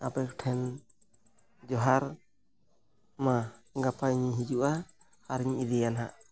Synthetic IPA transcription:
a̰pɛkʈʰɛn | d͡ʒɔɦaɾ | maɡapaɲiɦid͡ʒuʔa | haɾɲiʔid̪ɛjanɦa̰ʔ

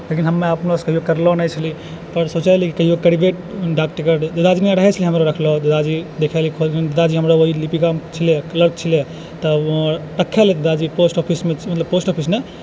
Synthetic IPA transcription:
lekinɦəmːeəpnoskəɦijokəɾlɔnəjt͡ʃʰəli | pəɾsot͡ʃalikikəɦijokəɽibeʈ̚ɖakʈkəɾd̪ed̪ad͡ʒinjãɾəɦɛt͡ʃʰəliɦəmɾaɾəkʰlɔd̪ed̪ad͡ʒid̪ekʰɛlkʰolkind̪ed̪ad͡ʒiɦəmɾaoɦilipikamt͡ʃʰileləɾk̚t͡ʃʰil | t̪ɔʈəkʰːɛlet̪ed̪ad͡ʒiposʈɔpʰismemət̪ləb̚posʈɔpʰisne

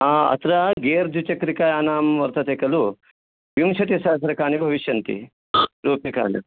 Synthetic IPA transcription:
aɐ̰t̪ɾaɡeːɾd̪ʱut͡ʃɐkɾikaːjaːnaːmʋɐɾt̪ɐt̪eːkɐlu | ʋimʃɐt̪isɐs̬ɐɾɐkaːnibʱɐʋiʃjɐnt̪ḭ | ɾuːpjɐka̰ːnḭ

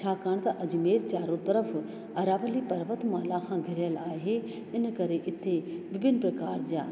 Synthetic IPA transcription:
t͡ɕʰaːkaːɽ̃t̪ɐʔɐd͡ʑ̆meːɾt͡ɕaːɾot̪ɐɾəf | ɐɾaːʋəlipɐɾʋət̪maːlakʰãːɡʱɪɾjəlaːɦe | ɪnkɐɾeʔɪt̪ʰebɪbʱɪnpɾɐkaːɾd͡ʑa̰ː

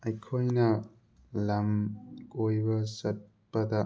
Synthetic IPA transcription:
ɐjkʰojnɐ | lɐmkojbɐsɐt̚ | pɐd̪ɐ

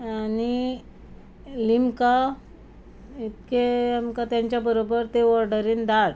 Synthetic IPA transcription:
ani | limka | it̪keamkat̪jaɲt͡ɕjabəɾobəɾt̪eʋɔɾɖəɾiːnd̪aɽ

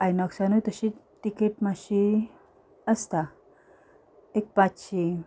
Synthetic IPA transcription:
ajnɔksanət̪əɕiʈikeʈmaɕi | əst̪a | ek̚pat͡ɕɕi

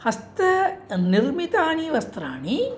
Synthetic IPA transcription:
hɐst̪ɐniɾmit̪aːɳiʋɐst̪ɾaːɳi

